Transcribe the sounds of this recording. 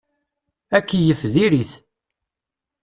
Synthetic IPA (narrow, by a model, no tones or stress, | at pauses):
ækːijəfðiɾiθ